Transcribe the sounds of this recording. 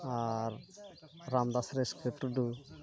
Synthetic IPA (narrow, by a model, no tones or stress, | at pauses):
aɾː | amd̪asɾeskepɾuɖu